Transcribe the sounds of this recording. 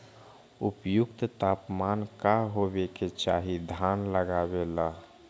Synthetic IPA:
ʊpjʊkt̪t̪aːpmaːnkaɦobeket͡ʃaːɦid̪ʱanləɡaːβelaː

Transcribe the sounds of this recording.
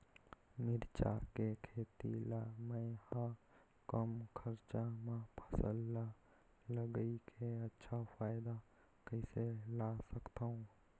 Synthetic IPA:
mɪɾt͡ʃa̰kekʰeːt̪ḭlaːmɛ̃hã | kəmkʰəɾt͡ʃamãpʰəsə̰lːa | ləɡəikʰeətːʃʰafaːɪd̪a | kəɪselaːsəkt̪aːɦũː

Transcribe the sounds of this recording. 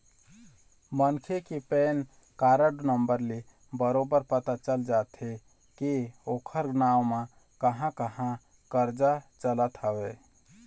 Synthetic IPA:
mənkʰekepen | kaɾəɖnəmbəɾle | bəɾobəɾpət̪at͡ʃəld͡ʒat̪ʰe | keokʰəɾɡnawmã | kəɦãkəɦã | kəɾd͡ʒat͡ʃələt̪ɦəwe

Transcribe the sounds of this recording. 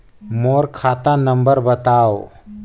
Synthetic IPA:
moːɾkʰaːt̪ãnə̃mbəɾbət̪aːo

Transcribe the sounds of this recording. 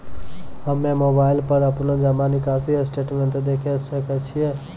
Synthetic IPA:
ɦəmːẽmoːbaːɪlpəɾəpnõd͡ʒamanikaːsiesʈeːʈmẽɳt̪d̪ekʰesəkɛt͡ʃʰije

